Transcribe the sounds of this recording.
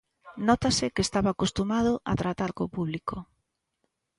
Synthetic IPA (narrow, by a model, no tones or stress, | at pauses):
nɔt̪asɪkest̪aβaːkost̪umað̞ʊʔat̪ɾat̪aɾkopuβliko